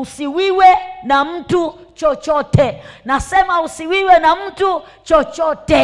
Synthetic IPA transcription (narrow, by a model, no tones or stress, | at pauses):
usiwiwɛnam̩tu | t͡ʃɔt͡ʃɔtɛnasɛmausiwiwɛnam̩tu | t͡ʃɔt͡ʃɔtɛ